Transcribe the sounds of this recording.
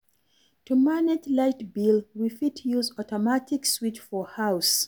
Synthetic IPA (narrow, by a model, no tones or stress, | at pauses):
tʰumanɛtlaɪtbilˠwifitʰjuzɔtɔmatɪkswit͡ʃfɔhaʊs